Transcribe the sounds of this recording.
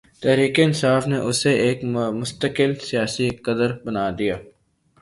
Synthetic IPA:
t̪ɛɦɾiːkeɪnsaːfneʔʊseʔeːkmʊst̪əkɪlsijaːsikɐd̪əɾbənaːd̪ijaː

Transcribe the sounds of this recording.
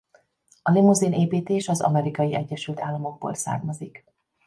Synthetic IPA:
ɒlimuzineːpiːt̪eːʃɒzɒ̰mɛɾikɒjiʔɛɟːɛʃylt̪aːlːɒmo̞ɡ̚bo̰ːlsa̰ːrmɒzik

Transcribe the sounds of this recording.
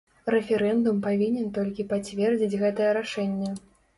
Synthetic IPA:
ɾɛfʲɛɾɛnd̪umpavʲinʲɛnt̪ɔlʲkʲipat͡sʲvʲɛrd͡zʲit͡sʲɣɛt̪ɐjɛɾaʂɛnʲːɛ

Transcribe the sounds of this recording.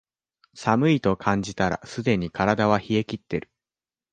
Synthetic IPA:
samɯ̟it̪o̞kʰãɲ̟d͡ʑit̪aɾa̰sɨd̪e̞ɲ̟ikaɾad̪aβ̞açie̞kʲit̪ːe̞ɾɯ̟̥

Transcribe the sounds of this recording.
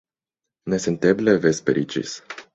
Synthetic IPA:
nesent̪eblevespeɾʔit͡ʃḭs

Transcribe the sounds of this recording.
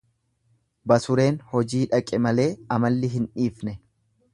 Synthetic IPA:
bɐsʊɾe̞ːnhɔd͡ʒiːᶑɐkʼɛmɐle̞ːɐmɐlːɪɦɪnᶑiːfnɛ

